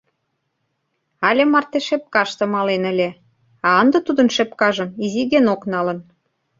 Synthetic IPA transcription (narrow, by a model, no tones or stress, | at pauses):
ɑlʲemɑrt̪eʃep̚kɑʃt̪ɤ̆mɑlenə̆lʲĕ | ɑənd̪ɤ̆t̪ud̪ə̆nʃepkɑʒə̆miziɣenoknɑlə̆n